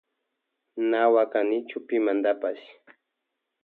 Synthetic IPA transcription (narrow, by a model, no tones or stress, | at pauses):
nawakanɪt͡ʃʊpɪmand̪apas